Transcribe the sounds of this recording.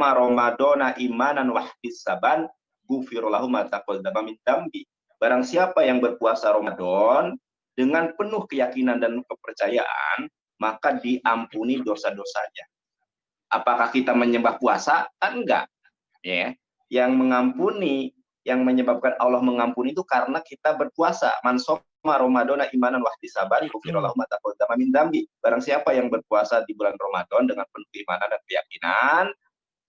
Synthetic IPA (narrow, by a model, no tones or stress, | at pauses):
aɾomadɔnaʔimananwaħdɪsaban | ɡufiɾolaɦumat̪akɔdamamind̪ambi | b̥aɾaŋsiapajaŋbərkuasaɾomadɔn | dəŋanpənʊhkəjakinandankəpərt͡ʃaja̰ʔa̰n | makadiʔampunidosadosa̰ɲa | ʔapakahkit̪aməɲəmbahpuasat̪aŋɡa̰ʔ | jaja | jaŋməŋampuni | jaŋməɲəbap̚kanʔɔlɔhməŋampunit̪ukaɾənakit̪abərkuasa̰manso | maɾomadonaʔimananwahdisabanibofiɾalaɦumat̪akot̪amamind̪ambib̥aɾaŋsiapajaŋbərkuasadibulanromadɔndəŋanpənukəimanandankəja̰kina̰n